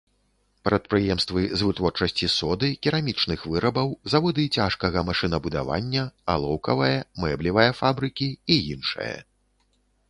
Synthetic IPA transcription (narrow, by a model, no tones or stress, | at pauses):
pɾɐt̪̚pɾɨjɛmst̪vɨzvɨt̪vɔrt͡ʂɐsʲt͡sʲisɔd̪ɨkʲiɾamʲit͡ʂnɨxvɨɾɐbɐwzavɔd̪ɨt͡sʲaʂkɐɣɐmaʂɨnɐbud̪a̰va̰nʲːɐa̰lˠɔwkɐvɐjɐmɛblʲivɐjɐfabɾɨkʲiijinʂɐ̰jɐ̰